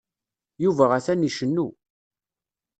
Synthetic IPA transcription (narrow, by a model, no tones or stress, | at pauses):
juvæʁæθæniʃənːu